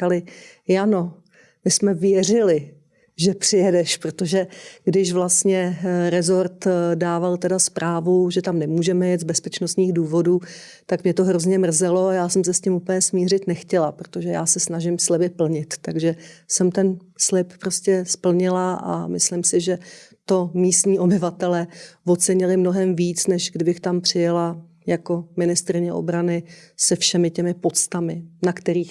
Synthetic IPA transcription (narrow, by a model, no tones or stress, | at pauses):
alɪjano̞ | mɪsmɛvjɛr̝ɪlɪ | ʒɛpr̝̥ɪjɛdɛʃpɾot̪oʒɛɡ̥dɪʃvlast̪ɲɛɾɛzo̞ɾt̪daːvalt̪ɛdaspɾʔaːvuʒɛt̪amnɛmuːʒɛmɛjɛt̪zbɛspɛt͡ʃnost̪ɲiːɣduːvo̞duː | t̪akmɲɛt̪o̞ɦɾozɲɛmr̩zɛlo̞ajaːsɛmsɛscɪmupəɲɛsmiːr̝ɪt̪nɛxcɛlapɾot̪oʒɛja̰ːsɛsnaʒɪmslɛbɪpl̩ɲɪt̪ːaɡʒɛsɛmt̪ɛn | slɪppɾoscɛspl̩ɲɪlaʔa̰mɪslɪmsɪʒɛt̪o̞miːst̪ɲiːʔo̞bɪvat̪ɛlɛːvo̞t͡sɛɲɪlɪmno̞ɦɛmviːt͡snɛʒɡdɪbɪxt̪ampr̝̥ɪjala | jako̞mɪnɪst̪ɾɪɲɛʔo̰bɾanɪsɛfʃɛmɪcɛmɪpo̞t͡st̪amɪnakt̪ɛɾiːx